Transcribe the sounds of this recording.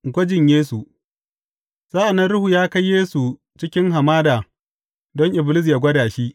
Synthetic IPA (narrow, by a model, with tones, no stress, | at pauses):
ŋɡʷɐ˦d͡ʒɪ˨ɲjeː˦su˨ | z̥aː˦ʔa˨nːɐ˦nɽʊ˦huː˨jaː˦ka˦jeː˦su˨ | t͡ʃɪ˦kʲɪ˦ŋɦa˨maː˦daː˨ | dɔ˦ŋʔɪ˨blɪ˦s̬ja˨ɡʷɐ˦daː˨ʃi˦ʔ